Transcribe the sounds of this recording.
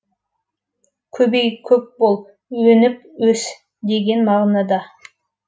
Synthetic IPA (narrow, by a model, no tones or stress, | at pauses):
kʲʰɵbejkʲʰɵp̚bolˠ | wɵnɪp | wɵs | d̪e̞ɡʲe̞nmɑʁnɑd̪ɑ